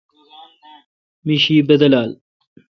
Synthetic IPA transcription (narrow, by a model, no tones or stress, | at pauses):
miʃiːbɐd̪ɐlaːl